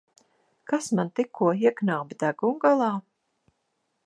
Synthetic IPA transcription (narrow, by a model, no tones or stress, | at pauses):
kasmant̪ikʰːuɔiɛknawbd̪æɡumɡalˠɑː